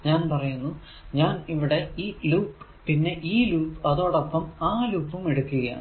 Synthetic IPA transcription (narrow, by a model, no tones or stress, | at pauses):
ɲaːnpɐrɐjunːu | ɲaːniʋiɽe̞iːluːpː | pinːe̞ʔiːluːpːɐðo̞ːɽopːɐmaːluːpːumeɽukːuɣɐja̰